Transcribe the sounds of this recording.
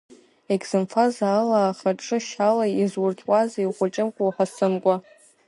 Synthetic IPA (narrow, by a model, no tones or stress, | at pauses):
ekʼz̥ɨmfʰazaːlaːχaʈ͡ʂʼɨʃalaizwʊrtʰʼwazaiχʷʊt͡ʃʼɪmkʷʼowħasɨmkʷʼa